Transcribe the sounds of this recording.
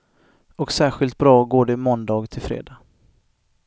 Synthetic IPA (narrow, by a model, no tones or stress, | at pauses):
ɔksæːɾɧɪlt̪̚bɾɑːɡoːɖɛmɔnd̪ɑːɡt̪ʰɪlfɾḛːd̪ɑː